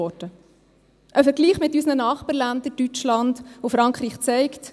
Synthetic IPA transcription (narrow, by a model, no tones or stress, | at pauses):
ɔdə | ʔəfəɾɡliːχmɪtːysnənɑːχpɑɾlænd̥̪əɾtyt͡ʃlɑndofɾɑŋkχɾiːχt͡sɛɪkt